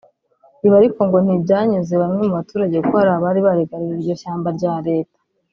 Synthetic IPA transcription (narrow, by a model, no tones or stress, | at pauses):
iβaɾiko̞ŋɡo̞n̥ibɟaːɲizeβamŋe̞muβatuːɾaɟe̞kohaɾaβaɾiβaɾeɡaɾiɾiiɾɟo̞ʃaːmbaɾɟaːɾe̞ːtḁ